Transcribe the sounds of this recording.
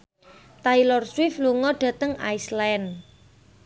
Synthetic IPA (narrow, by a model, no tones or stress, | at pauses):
t̪ailɔrswɪfluŋɔɖ̥ä̤t̪əŋa̰jslan